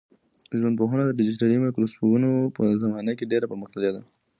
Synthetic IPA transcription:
ʒwand̪̚poɦanad̪əɖɪd͡ʒɪs̬ʈaɾimakɾospuɾunopəzamɑnakeɖeɾapəɾməxt̪aljad̪a

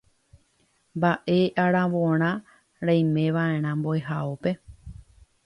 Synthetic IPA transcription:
mbaʔe̞ʔaɾãʋõɾ̃ã | ɾãj̃mẽ̞ʋaẽ̞ɾ̃ãmboeɦaope̞

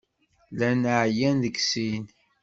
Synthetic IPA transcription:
lænəʕjænðəɡsin

